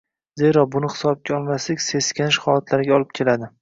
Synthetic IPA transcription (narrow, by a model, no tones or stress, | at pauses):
ze̞ɾɒbʊnɪhɪ̥sɒb̚ɡʲaɒlˠmaslɪkʲse̞skʲʰanɪʃhɒlat̪ʰlaɾɪɡʲaɒlˠɪp̚kʲʰe̞lad̪ɪ